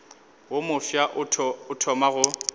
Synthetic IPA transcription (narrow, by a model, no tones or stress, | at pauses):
womʊfjaʔʊʊtʰɔmaɣʊ